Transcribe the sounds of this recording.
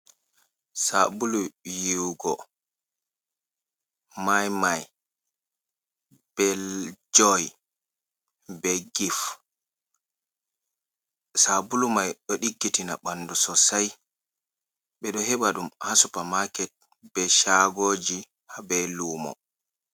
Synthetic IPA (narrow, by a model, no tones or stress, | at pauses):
sabulujiwɡɔ | majmaj | b̥ɛld͡ʒɔj | bɛɡif | sabulumajɗɔɗiɡːitina̰ɓanːdusɔsaj | ɓɛɗɔhɛɓaɗumhasupamakɛt̚ | b̥ɛʃaɡoːd͡ʒi | habɛlumɔ̰